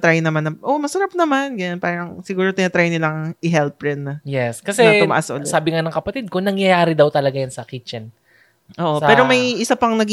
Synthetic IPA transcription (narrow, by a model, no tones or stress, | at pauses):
t̪ɾajnɐmanɐʔo̞mɐsɐɾap̚nɐmanɡɐnɐnpaːɾɐŋsɪɡuːɾot̪ɪnɐt̪ɾajnɪlɐŋʔɪɦɛlpɾɛnɐjɛskɐsɛɐt̪ʊmɐʔasʔolɛsaːbɪŋanɐŋkɐpɐt̪id̪̚konɐŋjɐjaːɾɪd̪ɐwt̪ɐlɐɡajɐnsɐkit͡ʃɛn | ʔoːʔopɛːɾo̞mɐjʔɪsapɐŋnɐɡi